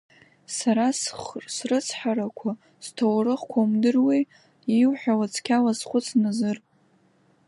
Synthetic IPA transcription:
saɾasχsrɨt͡sʰħaɾakʷʰa | stʰowrɨχkʷʰaumdɨrwi | iwħʷᶣawat͡sʰkʲʰalasχʷʊt͡sʰnazɨr

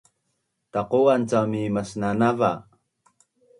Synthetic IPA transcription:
taquant͡samimasnanava

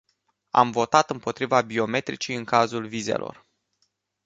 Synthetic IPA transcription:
a̰mvo̞t̪at̪ɨmpo̞t̪ɾivabio̞me̞t̪ɾit͡ʃijɨŋkazulvizḛlʔo̞̰r

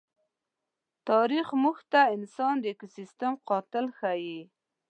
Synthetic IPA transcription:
t̪ɑɾixmuxt̪aɪnsɑnd̪əɪkosist̪əmqɑt̪ɪlxaji

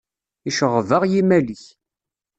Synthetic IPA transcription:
iʃəʁəvəʁjimæliç

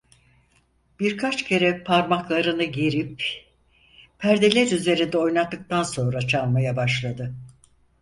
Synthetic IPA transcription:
b̥iɾkʰat͡ʃcʰe̞ɾɛpʰaɾmaklˠaɾɯnɯɟiɾip | pʰæɾd̪elʲæɾyze̞ɾind̪ɛo̞jnat̪ːɯk̚t̪anso̞nɾat͡ʃʰaɾmajabaʃlˠad̪ɯ

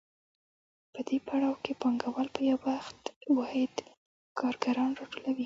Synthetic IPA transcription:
pəd̪epaɽɑwkepɑŋɡawalpəjawaxt̪wɑhɪd̪ | kʰɑɾɡaɾɑnɾɑʈolawi

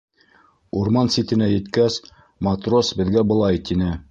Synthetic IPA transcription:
uɾmɑnsit̪ɘ̆næjɘ̆t̪kæs | mɑt̪rosbɘ̆ðɡæbɤ̆lˠɑjt̪inɘ

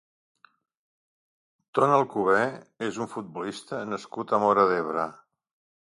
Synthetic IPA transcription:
t̪onəlˠkuβɛezuɱfut̪̚bulist̪ənəskut̪əmɔɾəðeβɾə

